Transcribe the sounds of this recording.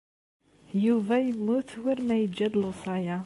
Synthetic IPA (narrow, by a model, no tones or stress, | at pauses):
juvæjəmːʊθwiɾmæjəd͡ʒːæd̪lusɑja